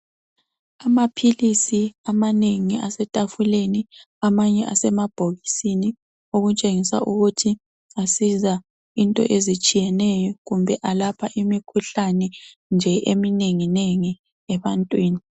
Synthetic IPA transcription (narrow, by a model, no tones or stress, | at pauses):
amapʰilisiamaneŋiasɛtʼafuleni | amaɲɛʔasɛmab̥ʱoɣisini | oɣut͡ʃʼeŋisa̰ʔuɣutʰi | asiza | intʼɔ̰ʔezit͡ʃʼijɛnɛjɔɣumbʱɛʔalapʰaʔimikʰuɬanɛ | nd͡ʒʱɛʔemineŋineŋi | ɛβantʼwiːni